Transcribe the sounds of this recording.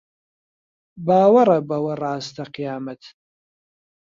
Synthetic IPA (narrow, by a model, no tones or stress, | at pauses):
baːwɐɾɐbɐwɐraːst̪ʰɐqijaːmɐt̪ʰ